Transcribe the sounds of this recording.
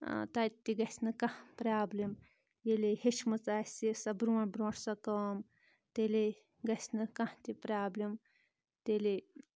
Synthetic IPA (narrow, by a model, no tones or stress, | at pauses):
t̪ɐt̪ʲːiɡɐsʲnɨkɐhpɾaːblim | jelihiʃmɐt͡saːsisɐbɾuːnbɾuːʈʰsɐkɐm | t̪eli | ɡɐsʲnɨkɐ̃ht̪ʲipɾaːblim | t̪eli